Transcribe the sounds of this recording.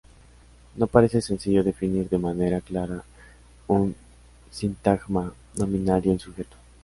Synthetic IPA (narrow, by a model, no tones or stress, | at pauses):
no̞paɾe̞se̞sensiʝo̞ðe̞finiɾðe̞mane̞ɾaklaɾa | un | sint̪aɣma | nomĩnaɾjoĩnsuxet̪o̥